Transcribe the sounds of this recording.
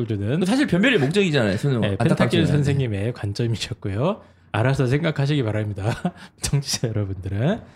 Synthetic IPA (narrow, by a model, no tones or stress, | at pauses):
d͡ʑonɯns̬ʰaɕ̬ʰiɭpjʌmjʌɾimok̚t͡ɕ͈ʌŋid͡ʑaanajosʰonɯepʰetʰaisʰʌnsʰe̞ŋɲime̞kwant͡ɕ͈ʌmiiɕʰʌt̚k͈ujo | a̰ɾasʰʌs̬ʰe̞ŋɡakʰaɕ̬ʰiɡipaɾɦamɲidat͡ɕʰʌŋt͡ɕʰi̥d͡ʑʰejʌɾʌbundɯɾɯn